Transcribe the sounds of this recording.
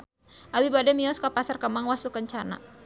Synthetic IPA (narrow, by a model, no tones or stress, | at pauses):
ʔawibadɛmiɔskapasarkəmaŋwasukəɲt͡ʃana̰